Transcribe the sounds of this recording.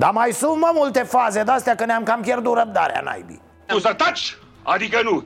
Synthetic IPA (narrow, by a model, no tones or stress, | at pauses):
d̪amajsumɐmult̪efaːzed̪ast̪jakənamkamkeɾd̪uɾɐb̚d̪a̰ɾa̰na̰jbḭ | usɐt̪ɐt͡ʃ | ɐd̪ikɐnu